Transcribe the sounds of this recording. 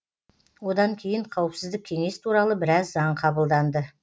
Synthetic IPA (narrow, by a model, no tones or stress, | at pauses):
wo̞d̪ɑŋkʲʰe̞jɪɴqʰɑwəpsɪzd̪ɪk̚kʲʰe̞ŋe̞st̪ʰuɾɑlˠəbɪɾɑzːɑɴqʰɑbəlˠd̪ɑnd̪ə